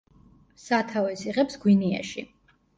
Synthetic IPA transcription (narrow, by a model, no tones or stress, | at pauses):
sat̪ʰavɛsiʁɛpsɡwinia̰ʃi